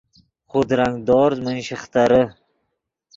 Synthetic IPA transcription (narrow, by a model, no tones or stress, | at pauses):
χʰod̪ɾaŋd̪ɒɾzmɪnʃɪχt̪aɾɪ